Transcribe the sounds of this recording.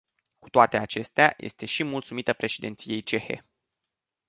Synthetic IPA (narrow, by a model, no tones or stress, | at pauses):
ku̥t̪oat̪e̞at͡ʃe̞st̪eajʔe̞̰st̪e̞ʃimult̪sumit̪əpɾe̞ʃed̪ent̪sije̞jt͡ʃe̞xe̞̰